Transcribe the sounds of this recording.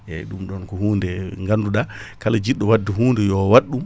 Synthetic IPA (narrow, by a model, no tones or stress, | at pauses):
ʔɛ̰ɗumɗɔnkɔɦuːndɛŋɡanduɗa | kalad͡ʒiɗːɔwadːɛɦuːndɛjɔwaɗːum